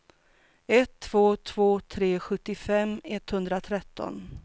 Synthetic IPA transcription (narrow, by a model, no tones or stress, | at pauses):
ɛt̪ʰːv̥oːt̪ʰv̥oːt̪ʰɾeːɧɵt̪ːɪfɛmːɛt̪hɵnd̪ɾat̪ʰɾɛt̪ːɔ̰n